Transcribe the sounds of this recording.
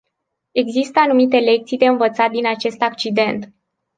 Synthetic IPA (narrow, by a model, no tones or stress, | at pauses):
e̞ɡzist̪əanumit̪e̞le̞k̚t̪sijd̪e̞ɨnvət̪sat̪̚d̪inat͡ʃe̞st̪akt͡ʃid̪e̞nt̪